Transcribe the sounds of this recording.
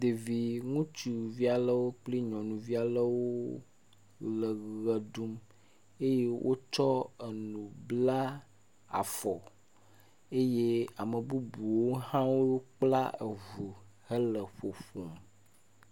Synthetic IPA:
d̪e˨vi˨ŋũ˦t͡ʃu˨vi˦a˨lə˦wo˦k͡pli˦ɲɔ̃˨nũ˨vi˦a˨lə˦wo˦ | lə˨ɣɣə˨du˦m | e˦je˦wʔo̰˦t͡ʃɔ˦e˨nũ˨bla˦ | a̰˨fɔ˨ | e˦je˦a˨mə˨bu˦bu˨wo˦hã˦wo˦jo˦k͡pla̰˦e˨vu˨ | hə˦lə˨ɸo˨ɸo˨m

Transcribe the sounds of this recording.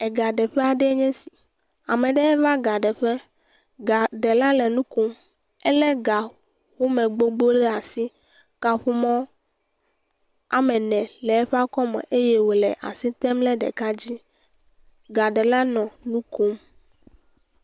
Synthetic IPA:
ɛ˨ɡa˨ɖɛ˨ɸɛ˦a˨ɖɛ˦ɛ˦ɲɛ̃˦si̥˨ | a˨mɛ̃˨ɖɛ˦ɛ˦va˦ɡa˨ɖɛ˨ɸɛ˦ | ɡa˨ɖɛ˨la˦lɛ˨nũ˦ko˦m | ɛ˦lɛ˦ɡa˨ | wo˦mɛ̃˨ɡ͡bo˦ɡ͡bo˦le˦a˨si˦ | ka˦ɸu˦mɔ̃˦ | a̰˨mɛ̃˨nɛ̃˨lɛ˨ɛ˦ɸa˦kɔ˦mɛ̰˨ʔe˦jɛ˦wo˨lɛ̰˨ʔa̰˨si˦t̪ɛ˦mlɛ˦ɖɛ̰˨ka˦d͡ʑi˦ | ɡa˨ɖɛ˨la˦nɔ̃˨nũ˦ko˦m

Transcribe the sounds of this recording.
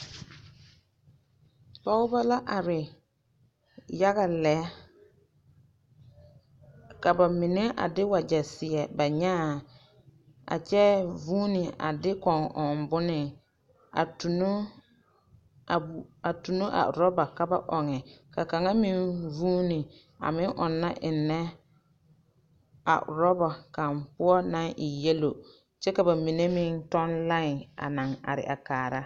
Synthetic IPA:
pa˦ʊ˦ba˦la˦ʔa˨ɾɪ˨ | ja˦ɣa˨lɛ˨˦ | ka˨ba˨mɪ˨nɪ˦ʔa̰˨dɪ˦wa˨d͡ʒɛ˨sɪ˨ɛ˨ba˨ɲaː˦˨ | a̰˨t͡ʃɛ˦vuː˦nɪ˨a̰˨dɪ˦kɔ˨ŋʔɔ˨mbʊ˦nɪ˨ | a˨tu˨n˦˨ | a˨tu˨no˦ʔa̰˨ɾɔ˦ba˨ka˦ba˦ʔɔ˨ŋɛ˨ka˨ka˨ŋa˦mɪ˦nvuː˦ni˨ | a̰˨mɪ˦ŋʔɔ˨nːa˦ʔɪ˨nːɛ˦ | a̰˨ɾɔ˦bɔ˨ka˨mpʊ˦ɔ˦na˦ŋʔɪ˨je˦lo˨ | t͡ʃɛ˦ka˨ba˨mi˨ne˦mɪ˦ntɔ˦nla˦ŋ˨a̰˨na˨ŋa̰˨ɾɪ̰˨ʔa˨kaː˨ɾa˦

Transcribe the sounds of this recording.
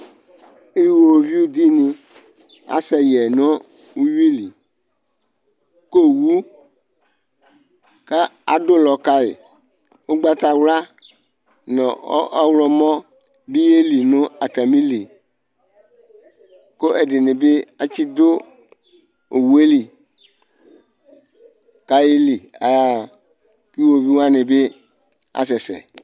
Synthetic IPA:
e˦wo˨vi˦wu˦d̪i˦nĩ˨ | a̰˦sɛ˨jɛ˨nɔ̃˦ | wu˦ji˦li˨ | ko˦wu˦ | ka˦a̰˨do˦lɔ˨ka˦ḛ˨ | wo˦ɡ͡ba˦t̪a˦wla˦ | nɔ̃˨ɔ̰˦ʔa˦wlɔ˦mɔ̃˦ | bi˦je˦li˨nʊ̃˦a˨ta˨mĩ˦li˨ | ko˦ʔe˨dɪ˨nɪ˨be˦a˦t͡ɕi˦d̪o˦ | o˨wu˨e˦li˨ | ka˦ji˦li˨a˨a˨ | ki˦wo˨vi˦wa˦nɪ˨be˦ | a̰˨s̬ɛ˨sɛ̰˨

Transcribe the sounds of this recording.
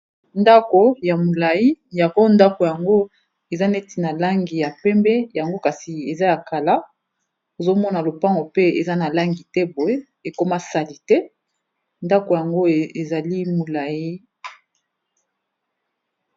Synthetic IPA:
nda˦ko˨ja˨mo˨la˨i˦ja˨ko˦nda˦ko˨ja˨ŋɡo˦ | e˨za˦ne˦ti˨na˨la˦ŋɡi˨ja˨pɛ˦mbɛ˦ja˨ŋɡo˦ka˨si˨e˨za˦ja˨ka˨la˦ | o˨zo˦mɔ˦na˨lo˨pa˦ŋɡo˨pe˦ḛ˨za˦na˨la˦ŋɡi˨tɛ˦bo˨e˦ | e˨ko˦ma˦sa˨li˨tɛ˦ | nda˦ko˨ja˨ŋɡo˦˨e˨za˨li˦mo˨la˨ji˦

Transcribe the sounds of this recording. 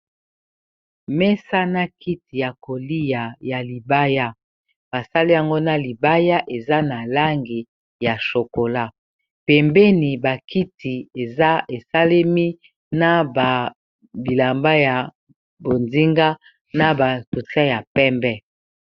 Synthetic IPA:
mɛ˦sa˦na˦kʰi˦ti˨ja˨ko˨li˦ja˨ja˨li˨ba˦ja˦ | b̥a˨sa˦li˦ja˨ŋɡo˦na˦li˨ba˦ja˦ʔe˨za˦na˨la˦ŋɡi˨ | ja˨ʃo˨ko˨la˦ | pɛ˨mbe˦ni˨ba˨ki˦tʰi˨e˨˦e˨sa˦le˦mi˦ | na˦ba˨ | bi˨la˨mba˦ja˨ | bo˨ndi˦ŋɡa˦ | na˦ba˨tu˨ta˦ja˨pɛ˦mbɛ˦

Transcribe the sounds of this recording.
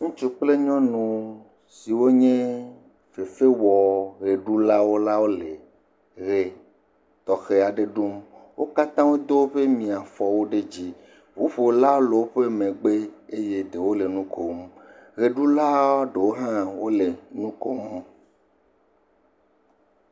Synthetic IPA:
ŋũ˦t͡ʃu˦k͡ple˦ɲɔ̃˦nũ˨ | si˨wo˦ɲẽ˦ | fe˨fe˦wɔ˨ɣe˨ɖu˦la˦wo˦la˦wo˦le˨ | ɣe˨ | t̪ɔ˨xe˦a˨ɖe˦ɖu˦mwʔo˦ka˦t̪ã˦wo˦d̪o˦ɸe˦mĩ˨a˨fɔ˨wo˦ɖe˦d͡ʑi˦ | vu˦ɸo˨wla˦wo˦le˨wo˦ɸe˦mẽ˨ɡ͡be˦e˦je˦d̪e˨wo˦le˨nũ˦ko˨mɣe˨ɖu˦la˦ɖe˨wo˦ɦã˦wo˦le˨nũ˦ko˦m˦

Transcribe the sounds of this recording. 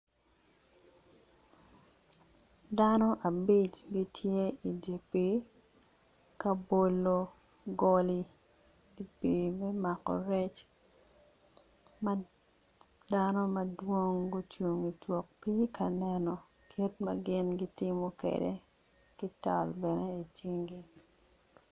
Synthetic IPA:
da˦nɔ˦ʔa˨bi˦t͡ʃɡi˦tʰje˦i˨de˨pi˨˦ | kɐ˦bo˦lo˦ | ɡɔ˦li˦ | i˨pi˨mɛ˦ma˨kɔ̰˨ɾɛ˦t͡ʃ | ma | da˦nɔ˦mɐ˨dwo˦ŋɡo˦t͡ʃu˨ŋi˨twɔ˨k̚pi˦kʰɐ˨nɛ˨nɔ˨ | kʰi˦tmɐ̰˦ɡɪ˦nɡi˦tɪ˦mɔ˦kḛ˨dḛ˦ | kɪ˦tɔ̰˨lbɛ˨ne˦i˨t͡ʃi˦ŋɡi˦

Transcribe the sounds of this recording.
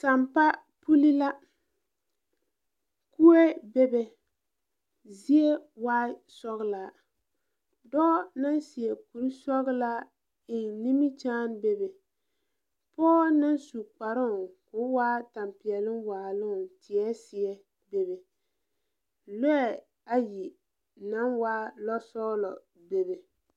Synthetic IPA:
ta˨mpa˦ | pu˦li˦la˦ | ku˦e˦be˦bɛ˨ | zi˦e˦waː˦sɔ˦ɣɨ˦la˨ | dɔː˦na˦nsi˨ɛ˨ku˨ɾi˦sɔ˦ɣɨ˦la˦ | ɪ˨nni˦mi˦t͡ʃaː˦nbe˦bɛ˨ | pɔː˦na˦nsu˨k͡pa˨ɾʊ˦˨kʊ˦waː˦ta˨mpɪ˨ɛ˨lɨ˦mwaː˨lʊ˦ŋ˨tɪ˨ɛ˦sɪ˨ɛ˦ | be˨bɛ˨ | lɛ˦ɛ˨ | a˦ji˨ | na˦nwaː˦lɔ˦sɔ˦lɔ˨ | be˨bɛ˨

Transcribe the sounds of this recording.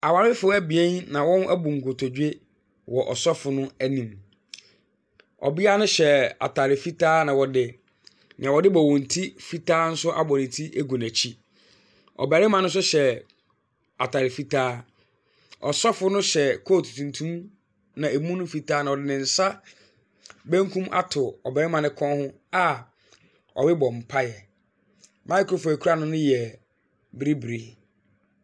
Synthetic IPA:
a˨wa˨ɾɪ˦fʊ˦æ˦bi˨ɛ̃˦nnã˨wɔ̃˦næ˦bũ˨ŋ̩˨ɡo˨tʰɔ˨d͡ʑᶣe˦ | wɔ˨ʔɔ˨sɔ˦fʊ˨nʊ̃˦æ˦nĩ˨m | ɔ̰˨bi˦a˦nʊ̃˦ɕɛ˨a̰˨tʰa˨ɾɪ˨fi˦tʰaː˦nã˨wɔ˨dɪ˨ | nɪ̰̃˨ã˨wɔ˨dɪ˦bɔ˨wɔ̃˨n̩˨tʰi˦fi˦tʰaː˦n̩˦sʊ˦ʔa̰˨bɔ˨nɪ̃˨tʰi˦ʔe˦ɡo˨næ˨t͡ɕʰi˦ | ɔ̰˨bæ˨ɾɪ˦mã˨nʊ̃˦s̬ʊ˦ɕɛ˨ | a˨tʰa˨ɾɪ˨fi˦tʰaː˦ | ɔ̰˨sɔ˦fʊ˦nʊ̃˦ɕɛ˨kʰo˦˨tʰu̥˨tʰũ˨ntʰũ˦m | nã˨e˨mũ˦nʊ̃˦fi˨tʰaː˦nã˨ɔ˨dɪ˨nɪ̃˨n̩˨sa˦ | bæ̃˦ŋ˦kʰũ˦mʔa̰˦tʰʊ˨ɔ˨bæ˨ɾɪ˦mã˨nɪ̃˦kʰɔ̃˦hʊ̃˦ | a˨ | ɔ̰˨bɪ˦bɔ˨m̩˨pʰa˦jɛ˨ | mʔã˦kʰʊ˦ɾʊ˦fʊ˨æ˨kʰu˦ɾa˦nʊ̃˦nʊ̃˦jɛ˨ | bɪ˦ɾi˦bɪ˨ɾi˦

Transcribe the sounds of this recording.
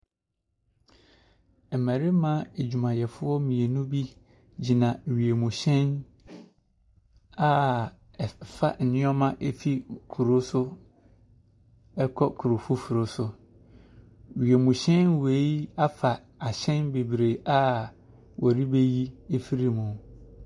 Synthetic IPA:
ɛ˨mæ̃˨ɾɪ˦mã˦e˨d͡ʑᶣu˨mã˨jɛ˨fʊ˦ɔ˦mĩ˨e˨nũ˦bi˦ | d͡ʑi˨nã˨ɥi˨e˨mũ˨ɕɛ̃˦n | a˦˨ | fa˨n̩˨nɪ̃˦ɔ˦mã˦ʔe˦fi˦kʰu˨ɾo˦sʊ˦ | ɛ˦kʰɔ˦kʰu˨ɾo˨fu˦fu˨ɾo˨sʊ˦ | ɥi˨e˨mũ˨ɕɛ̃˦nwe˨˦i˦a˦fa˨ | a˨ɕɛ̃˦nbe˨bɾe˨a˦ | wʔɔ˨ɾi˦be˦ji˦e˦fi˦ɾi˦mũ˨

